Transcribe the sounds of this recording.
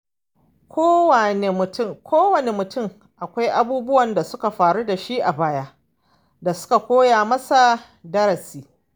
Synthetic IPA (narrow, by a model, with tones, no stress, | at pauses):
kʷoː˦wa˨ne˨mʊ˨tʊ˦˨kʷʰoː˦wɐ˨ne˨mʊ˨tʊ˦˨m | ʔa˨kʷa˦jʔa˦buː˦bʊ˦wɐ˨nda˨sʊ˦ka˨ɸaː˨ɽu˦da˨ʃi˦ʔa˨baː˦jaː˦ | da˨sʊ̥˦ka˨kʷoː˦jaː˨mɐ˦sa˨ | dɐ˦ɾɐ˨siː˨